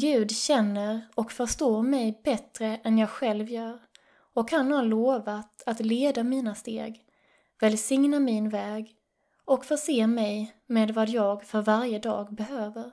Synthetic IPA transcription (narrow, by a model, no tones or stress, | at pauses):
ɡʉ̟ːd̪ɕɛnːəɾɔkfœʂt̪oːɾmɛjbɛt̪ɾəʔɛnjɑːɡɧɛlvjœːɾ | ɔkhanhaloːvat̪at̪leːd̪amiːnast̪ḛːɡ | vɛlsɪŋnamɪnvɛːɡ | ɔkfœʂeːmɛjmeːd̪vad̪jɑːɡfœɾvaɾjəd̪ɑ̰ːɡbɛɦøːvəɾ